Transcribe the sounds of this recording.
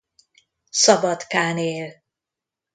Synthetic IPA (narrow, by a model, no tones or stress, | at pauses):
sɒbɒt̪kaːneːl